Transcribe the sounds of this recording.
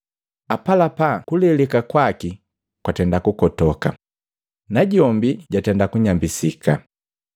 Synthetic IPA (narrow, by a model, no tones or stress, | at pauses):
apalapakulɛlɛkakwaki | kwatɛndakukɔtɔka̰ | naɟɔmbiɟatɛndakuɲambisika